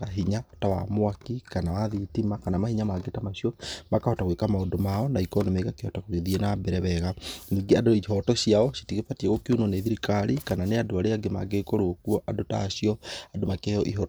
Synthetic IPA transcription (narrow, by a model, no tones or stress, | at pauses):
aɦiɲatawa̰mwakikanawaðitimakanamahiɲamaɡetamaɕiɔmakahɔtaɣwekamaondomaɔnaikɔnɔmeɣakehɔtakoɣeðienambɛɾɛβɛɣaniːɡeadoiɦɔtɔɕiaɔʃi̥tiɣepatieɣokiunɔneðiɾikaɾikananeadoaɾeaɡema̰ɡekoɾokuɔʔadota̰ːɕiɔadomakejɔʔiɦɔ